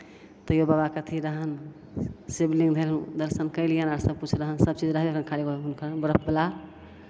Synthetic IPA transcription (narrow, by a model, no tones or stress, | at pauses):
t̪ɔjobabakət̪ʰiɾəɦən | sebliŋɡd̪ʱelɦũd̪əɾsənkəɪlijənaɾsəb̚kut͡ʃʰɾəɦənsəb̚t͡ʃid͡ʒɾəɦkənkʰalikounkəɾbəɾəp̚bela